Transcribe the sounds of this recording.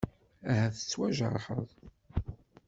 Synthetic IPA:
æhæθə̥t͡sːwæʒə̰ɾˤħə̰ðˤ

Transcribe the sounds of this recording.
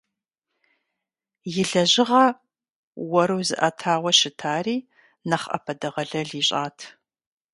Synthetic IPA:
jɪɮɐʑɪʁɐ | wɐɾɨwzɨ̰ʔɐtʰaːwʷɐʃɪtʰaːriː | nɐχʔɐ̰pʰɐdɨʁɐɮɐɮiːɕʼaːtʰ

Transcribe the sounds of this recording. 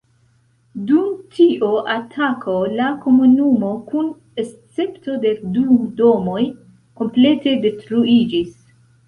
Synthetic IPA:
dumtʰiʔoʔatʰakʰo̞lako̞munumo̞kun | est͡se̞pto̞de̞dudo̞mo̞j | ko̞mple̞te̞de̞tɾuid͡ʒis

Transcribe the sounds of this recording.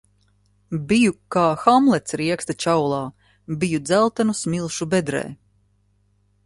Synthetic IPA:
bijukaːxamlˠɛt̪sɾiɛkst̪at͡ʃawlˠɑː | bijud̪zælˠt̪anusmilˠʃubɛd̪ɾɛ̰ː

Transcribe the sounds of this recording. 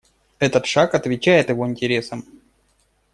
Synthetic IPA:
ɛt̪ət̪ʂakɐt̪vʲɪt͡ɕːæjɪt̪jɪvo̞ɪnʲtʲɪɾʲe̞səm

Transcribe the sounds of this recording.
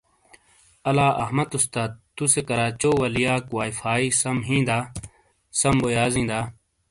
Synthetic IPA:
ɐlaːʔɐɦmɐt̪ust̪aːt̪̚t̪ːusekɐɾaːt͡ɕoːwɐlijaːkwaːifaːiːsɐmɦĩːnd̪aː | sɐmbojaːzĩːd̪aː

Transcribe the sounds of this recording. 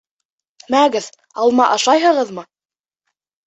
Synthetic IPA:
mæɡɘð | ɑlˠmɑʔɑʃɑjɦɤ̆ʁɤðmɤ

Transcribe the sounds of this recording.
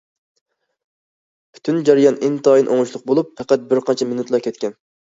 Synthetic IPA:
pʰy̥t̪ʰynd͡ʒɑɾijɑnɪnt̪ʰɑːjinʔoŋʊʃlˠʊq̚bolˠupfɛqæt̪̚bɪɾqɑnt͡ʃʰɛminut̪lˠɑkʲʰɛt̪kʲɛn

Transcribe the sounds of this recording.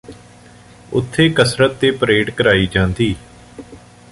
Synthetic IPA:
ʊ̰t̪ʰːeːkəsɾət̪ːeːpəɾeːɖkəɾaːiːd͡ʒãːnd̪iː

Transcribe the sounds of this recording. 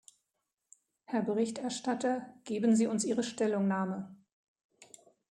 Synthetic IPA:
hɛɐbəʁɪçtɛɐʃtatɐɡ̥eːbən̩ziːʊnsʔiːʁəʃtɛlʊŋnaːmə

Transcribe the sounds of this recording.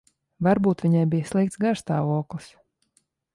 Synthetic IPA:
vaɾbuːt̪vʲiɲajbijəslˠikt̪ɡaɾst̪aːvuɔklˠis

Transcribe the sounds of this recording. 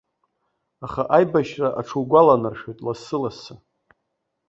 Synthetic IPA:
aχaʔajbaʃraʔaʈ͡ʂʰuwɡʷalanarʃojtʼlasɨlasa

